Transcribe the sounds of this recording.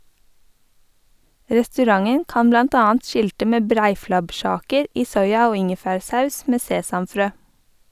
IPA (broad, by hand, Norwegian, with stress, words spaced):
ɾɛstʉˈɾɑŋən ˈkɑːn ˈblɑnt ˈɑːɑnt ˈʃɪltə ˈmeː ˈbɾæɪflɑbˌʃɑːkəɹ ˈiː ˈsɔʏɑ ˈoː ˈɪŋəfæːɹˌsɑʉs ˈmeː ˈseːsɑmˌfɾøː